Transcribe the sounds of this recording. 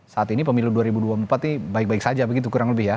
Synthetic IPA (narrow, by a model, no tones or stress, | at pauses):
saːt̪inipəmiluduaɾibuduampat̪̚nibaɪk̚baɪksad͡ʒabəɡit̪̬ukuɾaŋləbɪhja